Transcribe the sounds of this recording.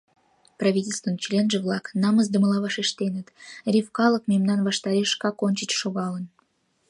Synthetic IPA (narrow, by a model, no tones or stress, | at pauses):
prɑvʲitʲelʲst̪və̆nt͡ɕlʲenʒə̆vlˠɑknɑməzd̪ə̆mə̆lɑvɑʃeʃt̪enə̆t̪rʲifkɑlˠəkmʲemnɑnvɑʃt̪ɑɾʲeʃkɑkonʲt͡ɕət͡ɕʃoɣɑlə̆n